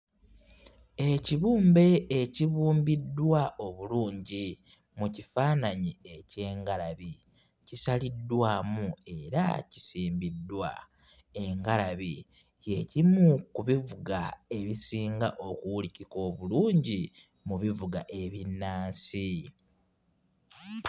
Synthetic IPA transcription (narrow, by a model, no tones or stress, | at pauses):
e̞ciβuːmbe̞ːciβuːmbidwaʔo̞βuluːɲɟi | mucifaːnaɲie̞ce̞ːŋɡalaβi | cisalidːwaːmue̞ɾa̰ci̥siːmbidːwa̰ | e̞ŋɡalaβi | ce̞cimukuβivuɡa̰e̞βisiːŋɡa̰ʔo̞kuwuliciko̞ːβuluːɲɟi | muβivuɡa̰ʔe̞βinːaːnsi